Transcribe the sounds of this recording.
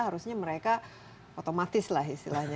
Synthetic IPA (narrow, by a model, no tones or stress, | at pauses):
haɾusɲaməɾeka | ot̪omat̪ɪslaɦist̪ḭlahɲa